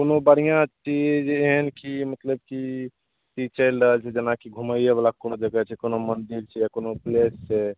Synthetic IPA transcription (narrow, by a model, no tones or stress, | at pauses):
konobəɽ̤ijãt͡ʃid͡ʒeɦənkimət̪ləb̚ki | tit͡ʃəlɾəɦəlt͡ʃʰɛd͡ʒənakiɡʱuməjeβelakonod͡ʒəɡɛt͡ʃʰɛkonomənd̪iɾt͡ʃʰɛjakonoplessɛ